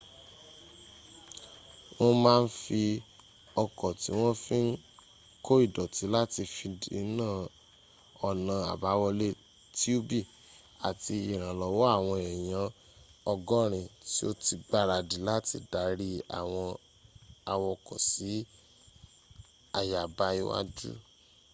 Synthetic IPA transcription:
w̃ɔ̃˦mãː˦˧n̩˦fi˧ | ɔ˧kɔ˨ti˨˦w̃ɔ̃˦fĩ˦n̩˦ | ko˦i˦˨dɔ˨ti˨˦la˦ti˧fi˧di˨˦nãː˦˨ | ɔ˧nã˧a̰˨ba˨˦wɔ˧le˦ | ti˦o˦bi˦˨ | a̰˨ti˧i˨ɾ̃ã˨lɔ˨˦wɔ˦a˦˨w̃ɔ̃˧ɛ˨j̃ã˨˦ | ɔ˧ɡɔ˦ɾ̃ĩ˧ti˦o˦ti˧ɡ͡ba˦ɾa˧˨di˨˦la˦ti˧˨da˨˧ɾi˦a˨w̃ɔ̃˧ | a˨wɔ˧ɔ˧kɔ˨si˨˦ | a˨ja˨ba˧˦i˧˦wa̰˦d͡ʒṵ˦

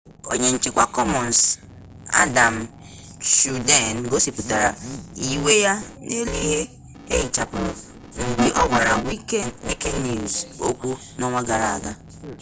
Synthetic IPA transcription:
o̰˨ɲe˨n̩˨t͡ʃɪ˨kʷa˦kɔ˦mɔ˨n˨s | a̰˦da˨m̩˨ | ʃu˨de˦˨n˨ɡo˦si˨pu˨ta˨ɾa̰˨i˨we˦ja˦ne˦li˦ɦe˦ | e˦ji˨t͡ʃa˦pʊ˨ | n̩˨ɡ͡bi˨ʔɔ˦wa˨ɾa˨wi˦ke˦e˦ke˦nːi˨zo˦kʷu˦ | nɔ˦ŋʷa˦ɡa˨ɾa̰˨a̰˨ɡa˦

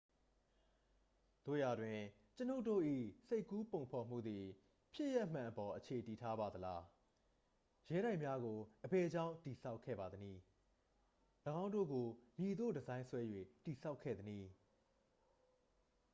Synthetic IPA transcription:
d̪̥o̰˦˨ja˨dwɪ̃˨ | t͡ɕəno˦ʊto̰˦˨ʔḭ˦˨se˦ɪkːu˦põ˨ʊ̃pʰɔ˨m̥ṵ˦˨d̪i˨ | pʰjɪ˦ʔjɛ˦ʔm̥ã˨ʔəpɔ˨ʔət͡ɕʰe˨ti˨tʰa˦ba˨d̪əla˦ | jɛ˦ɾa˦ɪʔmja˦ɡo˨ʔəbɛ˨d͡ʑã˦˨ʊ̃ti˨sʰa˦ʊkʰːɛ̰˦˨ba˨d̪əni˨ | ləɡã˦ʊ̃ndo̰˦˨ɡo˨mji˨d̪o̰˦˨dəzã˦ɪ̃swɛ˦jwḛ˦˨ti˨sʰa˦ʊkʰːɛ̰˦˨d̪əni˨

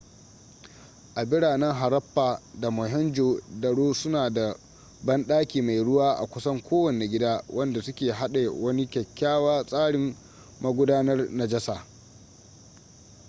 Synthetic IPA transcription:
ʔa˨bɪ˦ɽaː˨nɛ˦ŋɦa˨ɾɐ˦ɸːaː˨da˨mɔ˨ɦɛ˦nd͡ʒoː˨dɐ˨ɽoː˦sʊ˦naː˨da˨ | bɐ˦nɗaː˦kʲiː˨ma˨jɽʊ˦waː˦ʔa̰˨kʷʊ˦sɐ˦ŋkʷʰoː˦wɐ˨ne˨ɡʲɪ˦daː˦wʔɐ˦nda˨sʊ˦kʲeː˨ɦa˦ɗe˨wɐ˦ni˦kʲɐ˨kʲːaː˦waː˦sʼaː˦ɽɪ˨m | mɐ˦ɡʷʊ˦daː˦nɐ˦rnɐ˦˨d͡ʒɐ˦saː˨

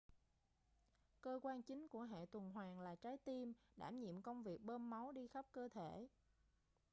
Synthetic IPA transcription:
kəː˧kwaː˧nt͡ɕï˨˦ŋ̟ku˧˩əɦḛ˧˨t̪wə˨˩nɦwaː˨˩ŋlaː˨˩t͡ɕaː˨˦jt̪i˧mɗa̰ː˧˩mɲḭ˧˨əmkə˧wŋ͡mvi˨˩ək̚ɓəː˧mːa˨˦wɗi˧xa˦˥p̚kəː˧t̪ʰe˧˩˨

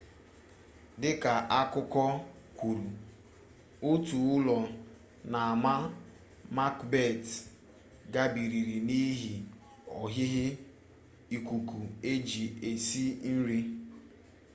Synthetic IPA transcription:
dɪ˦ka˨ʔa˦kʊ˦kɔ˦ | kʷu˨ɾu˨ | ʊ˦tu˨ʊ˦lɔ˨ | na˨a˨ma˦ | ma˦kbe˦˨t | ɡa˦bi˨ɾi˨ɾi˨ni˦ɦi˨ | ɔ˨ɦɪ˦ɦɪ˦ | i˨kʷu˨ku˨e˦d͡ʒi˨e˨si˦n̩˦ɾi˦

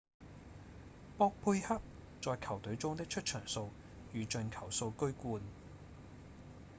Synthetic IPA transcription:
pɔː˧k̚pʰuː˧jhɐ˥p̚ | t͡sɔː˨jkʰɐ˨˩wt̪ɵ˨˥ɥt͡sʊ˥ŋt̪ɪ˥k̚t͡ʃʰɵ˥t̚t͡ʃʰœː˨˩ŋso˧w | jyː˨t͡ʃɵ˨˧nkʰɐ˨˩wso˧wkɵ˥ɥkuː˧n

